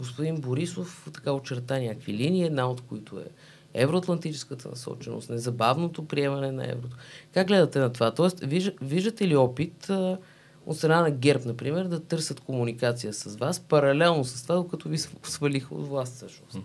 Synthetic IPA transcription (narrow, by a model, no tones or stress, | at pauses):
ɡospʊd̪inboɾisoft̪ɐ̥kaot͡ʃɛɾt̪anʲakviliniiɛd̪naot̪koit̪ʰoɛ̰ | ɛ̰vɾoɐt̪lˠɐnt̪it͡ʃɛskət̪ə̰nɐ̰sɔ̰t͡ʃɛno̰st̪nɛzɐbavnot̪opɾiɛmɐnɛnɐ̰ɛ̰vɾot̪okaɡɡlɛd̪ɐt̪ɛnɐt̪ovat̪ɔɛst̪viʒviʒd̪ət̪ɛliɔpit̪ə | o̰t̪st̪ɾɐnanɐɡɛɾpnɐpɾimɛɾd̪ɐt̪ɤɾsʲət̪komunikat̪sijəsɐzvaspɐɾɐlɛlˠnosɐst̪ovad̪okɐt̪ɔvisosvɐlixo̰t̪vlˠast̪sɤʃno̰st̪